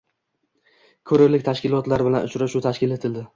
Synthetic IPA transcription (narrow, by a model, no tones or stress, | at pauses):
kʲʰɵɾɪɾlɪk̚ʲt̪ʰaʃkʲɪlɒt̪laɾbɪlanʊt͡ʃʰɾaʃʊt̪ʰaʃkʲɪle̞t̪ʰɪld̪ɪ